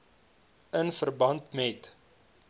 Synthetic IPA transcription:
ənfərbɐntmɛt

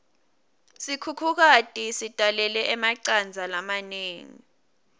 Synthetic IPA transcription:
sikʰukʰuk̬atʼisitʼalɛlɛʔɛmaǀand͡zʱalamaneːŋḭ

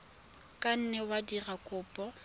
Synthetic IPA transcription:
kʼan̩nɛwadirakʼʊːpʼɔ

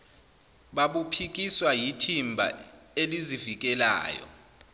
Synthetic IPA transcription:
ɓaɓupʰik̬iswajitʰimbʱa̰ | elizivik̬ɛla̰ːjɔ̰

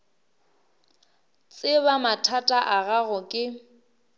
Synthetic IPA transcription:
t͡sʼɪβamatʰatʼaʔaɣaɣʊkʼɪ

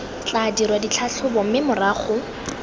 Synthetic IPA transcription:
t͡ɬadiɾwadit͡ɬʰat͡ɬʰʊbɔm̩mɪmʊraːχʊ

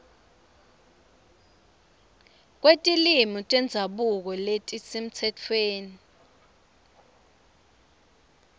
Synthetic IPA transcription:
k̬wetʼilimɔtʼwɛnd͡zʱaɓuk̬ɔletʼisem̩t͡sʰɛt͡fʰweːni

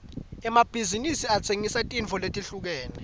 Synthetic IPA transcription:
ɛmab̥ʱizinisiat͡sʰeŋisatʼiɱt͡fʰɔletʼiɬuk̬ɛːnɛ

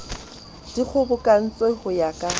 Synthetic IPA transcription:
d̥ik͡xʰʊbʊkʼan̩t͡sʼwehʊjakʼa

